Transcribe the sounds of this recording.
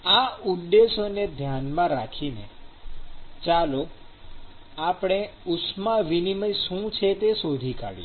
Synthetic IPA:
audːesoned̪ʱjanmãɾakʰinḛ | t͡ʃalo | apɽ̃e | ʊsmaʋiniməjʃũt͡ʃʰet̪esod̪ʱika̰ɽḭ

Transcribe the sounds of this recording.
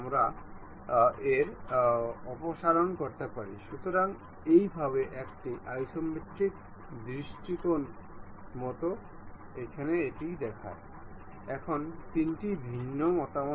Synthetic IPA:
mɾa | eɾ | ɔpoʃaɾonkoɾt̪epaɾḭʃut̪oɾaŋ | ejbʱaβeʔɛkʈiʔajʃombit̪ːɾik̚ | d̪ɾiʃʈikon | mɔt̪o | ekʰaneeʈid̪ɛkʰa̰e | ɛkʰont̪inʈibʱinːomɔt̪amo

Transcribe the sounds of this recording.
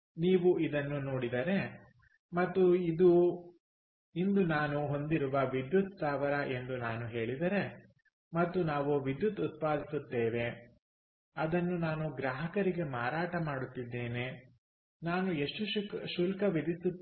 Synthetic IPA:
niːʋuid̪ɐnːuno̞ːɽid̪ɐɾe̞ | mɐt̪ːuid̪u | ind̪unaːnuɦo̞nd̪iɾuʋɐʋid̪jut̪saːʋɐɾɐʔe̞nd̪unaːnuɦe̞ːɭid̪ɐɾe̞ | mɐt̪ːunaːʋuʋid̪jut̪ut̪̚paːd̪ʱisut̪ːeːʋe̞ | ɐd̪ɐnːunaːnuɡɾaːɦɐkɐɾiɡe̞maːɾaːʈɐmaːɽut̪ːid̪ːe̞ːne̞ | naːnueʂʈuʃulkɐʋid̪isu

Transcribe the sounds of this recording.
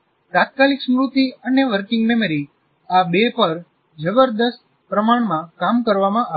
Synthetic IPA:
t̪at̪̚kaliksmɾut̪iəneʋəɾkɪ̃ŋɡmeməɾi | abepəɾ | d͡ʒəbəɾd̪əst̪̚ | pɾəmaɳ̃mãkamkəɾʋamãʔa

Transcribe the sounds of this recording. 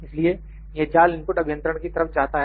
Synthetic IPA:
ɪslie | jed͡ʒaːlɪnpʊʈɐbʱjə̃nt̪ɾəɽ̃kit̪ɐɾəfd͡ʒaːt̪aɦ

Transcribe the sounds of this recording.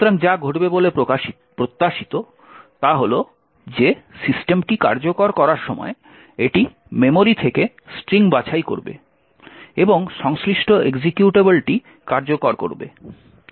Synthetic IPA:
ɾaŋd͡ʑaɡʱoʈbebolepo | pɾot̪ːaʃit̪o | t̪aɦolo | d͡ʑesisʈemʈika̰ɾd͡ʑokoɾkɔɾaɾʃɔmɔ̰e | eʈi | memoɾit̪ʰeke | sʈɾiŋbat͡ɕʰajko̰ɾbḛ | eboŋʃɔŋsliʃʈʰoʔeɡd͡ʑekjuʈebelʈi | kaɾd͡ʑokoɾko̰ɾbḛ

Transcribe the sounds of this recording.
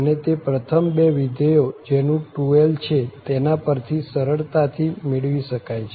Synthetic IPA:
ənet̪epɾət̪ʰəmbeʋid̪ejod͡ʒenũʈuelt͡ʃʰet̪enapəɾt̪ʰisəɾəɭt̪at̪ʰimɪɭʋiʃəkajt͡ʃʰe

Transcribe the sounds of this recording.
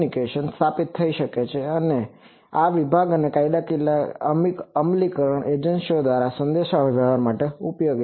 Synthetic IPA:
nikeʃənst̪ʰapit̪ʰːəiʃəket͡ʃʰeəne | aʋibʱaɡənekajd̪akilaə̰mikəmlikəɾəɳʔed͡ʒənsiod̪ʋaɾasənd̪eʃaʋd͡ʒʱaɦəɾmaʈeupjoɡ

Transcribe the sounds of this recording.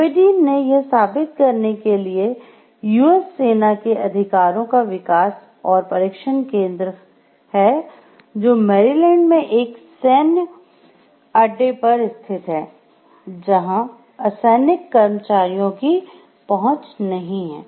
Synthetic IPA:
pɪɖiːnejesaːbɪt̪̚kɐɾnekelie | juːɛsːeːnakeʔɐd̪ʱɪkaːɾõkaʋɪkaːs | ɔːɾpɐɾɪkʃənkẽːnd̪ɾə | hɛ | d͡ʒoːmɛːɾilɛ̃ːɳɖmẽʔeːksɛːnjə | ɐɖepɐɾɪst̪ʰɪt̪ɦɛː | d͡ʒɐɦã | ɐsɛːnɪkːɐɾmət͡ʃaːɾijõki | pɐɦʊ̃t͡ʃnɐɦĩɦɛ̰̃ː

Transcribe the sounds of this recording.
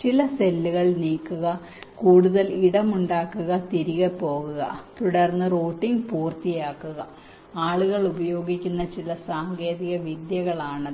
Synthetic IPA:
t͡ɕilɐselːuɣɐɭniːkːuɣɐ | kuːɽuðɐliɽɐmuɳɖaːkːuɣɐt̪iɾiɣɐpːo̞ːɣuɣɐ̰t̪uɽɐrnːɨroːʈːiŋɡpuːrt̪ijaːkːuɣɐ | aːɭuɣɐɭubɐjo̞ːɡikʲːunːɐt͡ɕilɐsaːŋɡe̞ːðiɣɐʋid̪jɐɣɐɭaːɳɐðɨ

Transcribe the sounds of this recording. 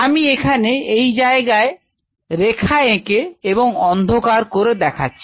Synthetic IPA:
amiekʰaneejd͡ʑaeɡae | ɾekʰaekeeboŋɔnd̪ʱokaɾkoɾed̪ɛkʰa̰tːɕʰi̥

